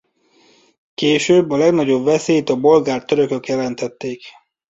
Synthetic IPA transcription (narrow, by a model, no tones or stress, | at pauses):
keːʃøːbːɒlɛɡnɒɟo̞bvɛseːjt̪ɒbo̞lɡaːrt̪øɾø̞kø̞kjɛlɛnt̪ɛt̪ːeːk